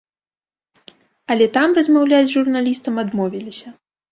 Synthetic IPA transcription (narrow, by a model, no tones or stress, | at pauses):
ɐlʲɛt̪amrɐzmawlʲad͡zʲzʐurnalʲist̪ɐmad̪mɔvʲilʲisʲɐ